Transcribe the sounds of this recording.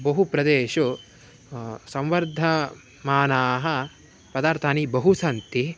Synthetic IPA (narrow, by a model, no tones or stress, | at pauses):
bɐɦupɾɐd̪eːʃu | sɐ̃mʋɐɾd̪ʱɐ | maːnaːɦɐ̆ | pɐd̪aːɾt̪ʰaːnibɐɦusɐnt̪i